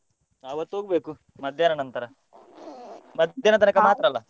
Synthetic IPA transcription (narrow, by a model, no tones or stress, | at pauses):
ɐʋɐt̪oːɡbeːku | mɐd̪ʱjanɐnɐnt̪ɐɾɐ | mɐd̪ʱjanɐt̪ɐnɐkamaːt̪ɾɐlːa